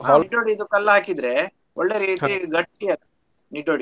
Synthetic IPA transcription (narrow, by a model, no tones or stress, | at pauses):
aiɖoːɽiːd̪ukɐlːɐaːkid̪ɾe̞ | oɭːe̞ɾiːt̪iɡɐʈːia | niɖoɽi